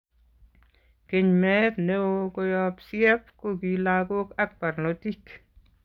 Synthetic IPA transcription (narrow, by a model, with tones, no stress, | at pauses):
ke˨ɲmɛ˦tneokɔ˦jɔpsjɛ˦p̚ko˦kilaɡo˦kak̚pa˨ɾnoti˦k